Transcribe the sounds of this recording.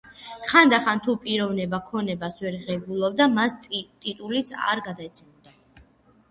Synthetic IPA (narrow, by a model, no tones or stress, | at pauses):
χand̪aχant̪ʰupʼiɾɔvnɛbakʰɔnɛbasvɛɾʁɛɡulˠɔb̚d̪amast̪ʼit̪ʼulit̪sʰa̰ɾɡad̪aɛt̪sʰɛmɔd̪a